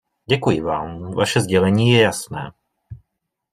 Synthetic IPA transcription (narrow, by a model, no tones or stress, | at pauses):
ɟɛkujɪvaːmva̰ʃɛzɟɛlɛɲiːjɛjasnɛː